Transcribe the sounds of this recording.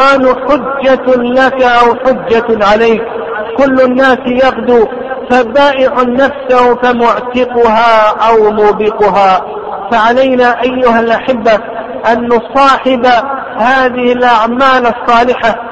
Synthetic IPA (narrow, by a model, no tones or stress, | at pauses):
ʔaːnħʊdːalakaʔawħʊd͡ʒːaʕalaːk | kʊlːʊnːaːsjɑqd̪uː | fabaːʔɪʕʊnafsahfamʊʕt̪ɪqʊɦaːʔawmʊːbɪqʊɦaː | faʕalajnaːʔajːʊhalʔaħɪbːa | ʔanːʊsˤɑːħɪba | haːðɪhɪlʔaʕmaːlɑsˤːɑːlɪħa